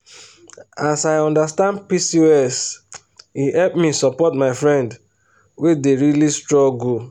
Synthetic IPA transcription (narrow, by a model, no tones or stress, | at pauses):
asaɪɔ̃ndastãndpisioɛs | ihɛlpmisɔpɔtmaɪfɹɛ̃nd | wedeɹilistɹɔɡul